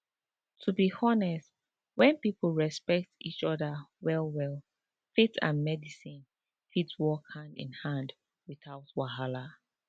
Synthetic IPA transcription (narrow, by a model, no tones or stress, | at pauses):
tʰubihɔnɛst | wɛ̃npipʰl̩ˠɹɛspɛk̚tit͡ʃɔðəwɛlˠwɛlˠ | fitʰã̰nmɛdisĩn | fitswɔkãnɪ̰̃nhãnd | wiθaʊtwaɦala